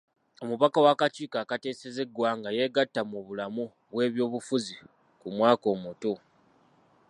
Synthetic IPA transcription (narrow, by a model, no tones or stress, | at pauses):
o̞muβakawakaciːkaːkate̞ːseze̞ɡwaːŋɡaje̞ːɡatːamuβulamu | βwe̞ːβjo̞ːβufuzi | kumwaːko̞ːmuto̞